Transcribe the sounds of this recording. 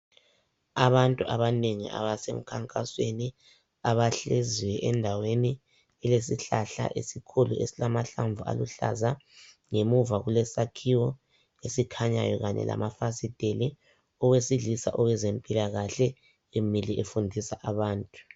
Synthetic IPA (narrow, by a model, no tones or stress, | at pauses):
aβantʼuʔaβaneŋḭʔa̰βasem̩kʰaŋkʼasweni | aβaɬeziwɛʔɛndʱaweni | ɛles̬iɬaɬa̰ʔḛsikʰuluesilamaɬaɱvua̰luɬa̰za | ŋemuvaɣulɛsakʰiwɔ | esikʰaɲa̰jɔɣaɲɛ̰la̰mafasid̥ʱeli | ɔɣwesilisaʔɔwɛzempʼilaɣaɬɛ | emiliʔefundʱisaʔaβaːntʼu̥